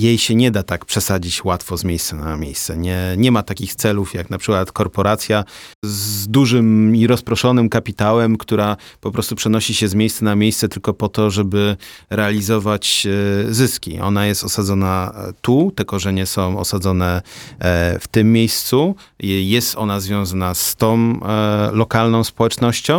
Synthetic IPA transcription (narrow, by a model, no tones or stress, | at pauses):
jejɕɛɲɛd̪at̪akpʂɛsad͡ʑit͡ɕwat̪fɔzmʲjejst̪sanamʲjejst̪sɛ̰ɲɛɲɛmat̪akʲixt̪sɛlufjaknapʂɘkwat̪kɔɾpɔɾat̪sʲjazd̪uʐɘmiɾɔspɾɔʂɔnɘmkapʲit̪awɛmkt̪uɾapɔpɾɔst̪upʂɛnɔɕiɕɛzmʲejst̪sanamʲjejst̪sɛt̪ɘlkɔpɔt̪ɔʐɛbɘɾɛalʲizɔvat͡ɕzɘskʲḭʔɔ̰najɛst̪ɔsad̪zɔnat̪ut̪ɘlkɔʐɛɲɛsɔ̃w̃ɔ̰sad̪zɔnɛ | ft̪ɘmːjejst̪su | jɛst̪ɔ̰nazvʲjɔ̃w̃zanast̪ɔ̃w̃lɔkalnɔ̃w̃spɔwɛt͡ʂnɔɕt͡ɕɔ̃w̃